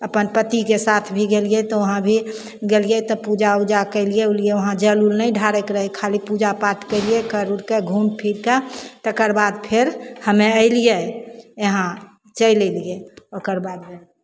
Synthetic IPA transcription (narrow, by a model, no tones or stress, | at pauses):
əpənpət̪ikesat̪ʰbʱiɡeliet̪ɔʋəɦãbʱi | ɡeliet̪ɔpud͡ʒaud͡ʒakəɪlieulieʋəɦãd͡ʒəlulnəĩɖʱaɾekɾəɦekʰalipud͡ʒapat̪kəɪliekəɾuɾkeɡʱunpʰiɾkat̪ɔkəɾbad̪pʰɪɾhəmeəɪlijejəɦã | t͡ʃəilelieokəɾbaːd̪be